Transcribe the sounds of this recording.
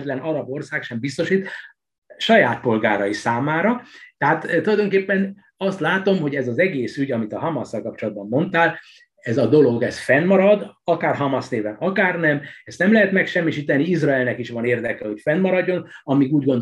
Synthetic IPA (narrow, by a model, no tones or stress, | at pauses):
t̪lɛnɒɾɒbo̞rsaːkʃɛmbist̪o̞ʃit̪ | ʃɒjaːt̪̚po̞lɡaːɾɒjisaːmaːɾɒt̪ɛɦaːt̪ːulɒjd̪o̞ŋkeːpːɛn | ɒst̪laːt̪o̞mɦo̞ɟɛzɒzɛɡeːsyɟɒmit̪ɒɦɒmɒsːɒlkɒp̚t͡ʃo̞lɒd̪̚bɒmːo̞nt̪aːl | ɛzɒd̪o̞lo̞ɡɛsfɛnmɒɾɒd̪ɒkaːrɦɒmɒsneːvɛnɒkaːrnɛmɛst̪nɛmlɛɦɛt̪mɛkʃɛmːiʃiːt̪ɛniizraɛlnɛkiʃʋɒneːrd̪ɛkɛɦo̞cfɛnmɒɾɒɟːo̞nɒmiɡuːɟɡo̞nd̪